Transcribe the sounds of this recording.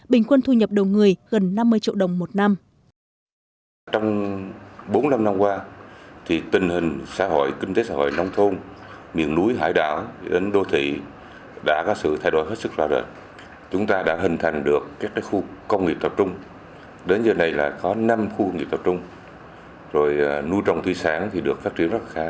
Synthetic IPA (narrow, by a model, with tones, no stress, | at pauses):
ɓï˨˩ŋ̟kwə˧nt̪ʰu˧ɲə˨˩p̚ɗə˨˩wŋ͡mŋɨ˨˩əjɣə˨˩nːa˧mːɨ˧əjt͡ɕḭ˧˨əwɗə˨˩wŋ͡mmo˨˩t̚na˧m | t͡ɕɔ˧wŋ͡m | ɓo˨˦nla˧mna˧mkwaː˧t̪ʰi˨˩t̪ï˨˩ŋ̟hï˨˩ŋ̟sa̰ː˧˥ɦo̰˧˨jki˧ŋ̟t̪e˨˦sa̰ː˧ho̰˧˨jna˧wŋ͡mt̪ʰo˧n | mḭ˧˨ənnu˨˦jɦa̰ː˧˩jɗa̰ː˧˨wɗe˨˦nɗo˧t̪ʰḭ˧˨ | ɗa̰ː˧˥kɔ˨˦sɨ̰˧˨t̪ʰa˧jɗo˧˩jɦe˦˥t̚sɨ˦˥k̚zaː˧˩ɗə̰ː˧˨ | t͡ɕʊ˨˦ŋ͡mt̪aː˧ɗa̰ː˧˥ɦï˨˩ŋ̟t̪ʰa˨˩jŋ̟ɗɨ˨˩əkːaː˦˥k̚ːaː˨˦jxu˧kə˧wŋ͡mŋi˨˩p̚t̪ə˨˩p̚t͡ɕʊ˧ŋ͡m | ɗe˨˦nzəː˧˩na˨˩jlaː˨˩kɔ˨˦na˧mxu˧kə˧wŋ͡mŋi˨˩p̚t̪p̚t͡ɕʊ˧ŋ͡m | zo˨˩jnu˧jt͡ɕɔ˨˩wŋ͡mt̪ʰi˧saː˨˦ŋt̪ʰi˨˩ɗɨ˨˩ək̚faː˦˥t̚t͡ɕi˧ənzə˦˥la˨˩xaː˨˦